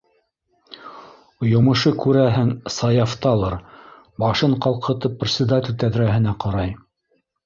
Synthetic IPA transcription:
jŏmɤ̆ʃɤkʉɾæɦɘŋsɑjɑft̪ɑlˠɤɾ | bɑʃɤɴqɑlˠqʰɤ̆t̪ɤpːrʲɪt̪sʲɪd̪atʲɪlʲt̪æðɾæɦɘ̆næqɑɾɑj

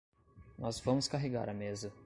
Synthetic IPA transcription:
nɔzvɐ̃mʊskaɦeɡa̰ɾɐmezɐ

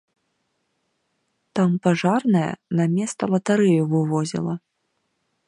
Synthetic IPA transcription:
t̪ampaʐarnɐjɐ̰namʲɛst̪ɐlˠɐt̪aɾɛjuvɨvɔzʲḭlˠɐ

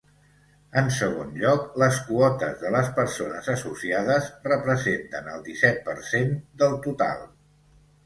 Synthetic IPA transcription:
ənsəɣ̞onʎɔkləskuɔt̪əzðələspəɾsonəzəsusiaðəzrəpɾəzent̪ənəlˠd̪isɛt̪̚pəɾsend̪əlˠt̪ut̪a̰lˠ

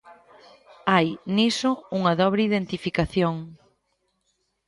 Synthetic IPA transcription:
ajnisʊuŋɐðɔβ̞ɾeiðent̪ifikaθjoŋ

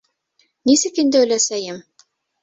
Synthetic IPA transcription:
nisɘkind̪ɘ̆læsæjɘm

